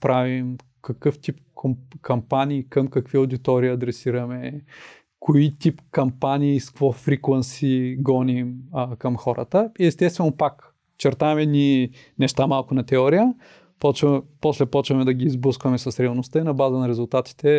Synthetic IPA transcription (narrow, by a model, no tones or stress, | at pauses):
pɾavim | kɐkɤft̪ip̚kʰokʰɐmpaniːkɐmkɐkviɐoʊd̪it̪ɔɾiːɐd̪ɾɛsiɾɐmɛ | koit̪ipkɐmpaniːskvɔfɾiklˠɐnsiɡɔnimkɐmxɔɾə̰t̪əiɛst̪ɛst̪vɛnopak | t͡ʃɛɾt̪aɛmɛd̪ni | nɛʃt̪amalˠkʊnɐt̪ɛɔɾijə | pɔt͡ʃvpɔslɛpɔt͡ʃvɐmɛd̪ɐɡʲiːzblˠəskvɐmɛsɐsɾʲɛɐlˠnost̪əinɐbazənɐɾɛzulˠt̪at̪i̥t̪ɛ